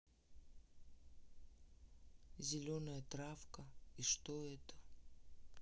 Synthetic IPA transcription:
zʲɪlʲonəjət̪ɾafkəiʂt̪oɛt̪ə̥

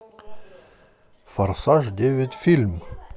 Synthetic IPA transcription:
fɐɾsaʐd̪ʲeʋʲetʲfʲilʲm

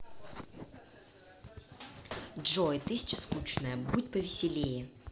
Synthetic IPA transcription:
dʐoɪt̪ɨsʲt͡ɕɪskut͡ɕnəjəbutʲpəvʲɪsʲɪlʲejɪ

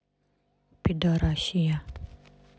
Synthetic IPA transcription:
pidɔɾaʃia

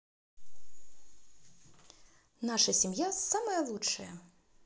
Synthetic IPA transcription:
naʂɐsʲimjasamɐjɐlˠut͡ʂt͡ʂːɐjɐ

